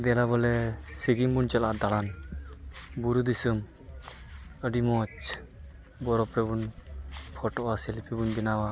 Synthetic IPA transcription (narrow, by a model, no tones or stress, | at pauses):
d̪ɛlabɔlɛsiɡimbunt͡ʃɛlaʔd̪aɽan | buɾud̪isɯm | əɖimɔt͡ʃ | bɔɾɔpɾɛbunpʰɔʈɔʔasɛlipʰibunbinawa